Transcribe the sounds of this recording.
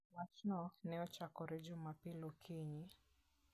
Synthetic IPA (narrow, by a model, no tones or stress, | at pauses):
nat͡ʃnɔnɛɔt͡ʃakɔɾɛd͡ʒɔmapilɔkʰiɲi